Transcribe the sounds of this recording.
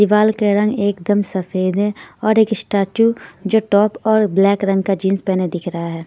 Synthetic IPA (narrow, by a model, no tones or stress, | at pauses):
d̪ɪʋaːlkeɾɐ̃ŋɡeːkd̪əmsɐfeːd̪ɦɛɔːɾeːkɪsʈaːʈjud͡ʒoːʈɔːpɔːɾblɛːkɾɐ̃ŋɡ̚kad͡ʒĩːnspɛːned̪ɪkʰɾɐɦaɦɛː